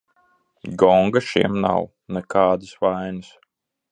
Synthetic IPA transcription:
ɡɔŋɡaʃḭɛmna̰w | nɛkaːd̪ɨsvajnɨs

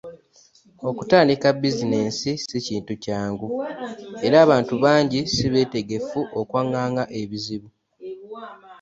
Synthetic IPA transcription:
o̞kutaːndikabizine̞ːnsisiciːntucaːŋɡu | e̞ɾaːβaːntuβaːɲɟisiβe̞ːte̞ɡe̞fuʔokwaːŋɡaːŋɡaʔe̞βiziβu

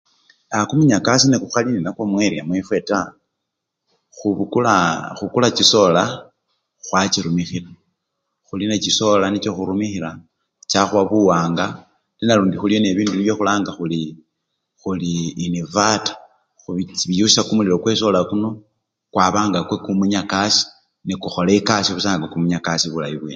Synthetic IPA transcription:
akumiɲakas̬inekuxalininakwomweɾiamwefwe̞ta | xulaxukulat͡ʃiso̞la | xwat͡ʃiɾumixila | xulinet͡ʃiso̞lanit͡ʃo̞xuɾumixiɾa | t͡ʃaxwaβuwaːŋɡa | linaluːndixuljoneβiːnduiβjo̞xulaːŋɡaxuli | xuliːnivatḁ | xuiβijusisakumuliɾo̞kwe̞so̞lakuno̞ | kwaβaːŋɡakwekumuɲakasi̥ | nikuxo̞leikasiβusaːŋɡokumuɲakasiβulajiβweːn

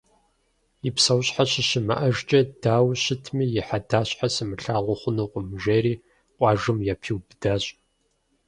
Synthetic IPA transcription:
ipsɐwɕʼħaɕɪʃɪmɐ̰ʔɐʒt͡ʃʼɐdaːwɕɪtʰmiːjɪħadaːɕʼħasɨmɨɬaːʁʷɔχʷʊnuqʷʊmʒeːɾiː | qʷʼɑːʒɨmjapʰiwbdaːɕʼ

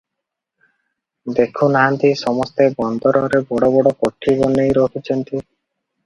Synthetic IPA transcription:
d̪ekʰunaɦant̪isɔmɔst̪ebɔnd̪ɔɾɔɾebɔɽɔbɔɽɔkoʈʰːibɔnejɾɔɦut͡ʃʰɔnt̪i

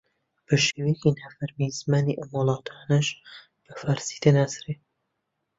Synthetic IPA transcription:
b̥əʃewecinaːfɐɾmizmaːniʔɐmwʊlˠɑːt̪ʰaːnɐʃ | b̥əfaːɾsi̥t̪enaːsɾe

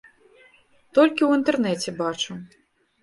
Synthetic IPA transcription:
t̪ɔlʲkʲiwint̪ɛrnɛt͡sʲɛbat͡ʂu

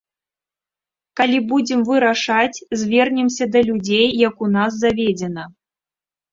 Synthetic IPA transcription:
kalʲibud͡zʲɛmvɨɾaʂat͡sʲzʲvʲɛrnʲɛmsʲɐd̪ɐlʲud͡zʲejːakunaz̬zavʲed͡zʲɛnɐ

